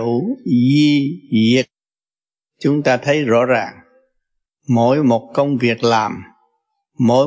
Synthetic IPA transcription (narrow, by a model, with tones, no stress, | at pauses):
zi˧zi˨˩ət̚ | t͡ɕʊ˨˦ŋ͡mt̪aː˧t̪ʰə˨˦jzɔ̰˧˥zaː˨˩ŋ | mo̰˧˥jmo˨˩t̚kə˧wŋ͡mvi˨˩ək̚laː˨˩mː | o̰˧˥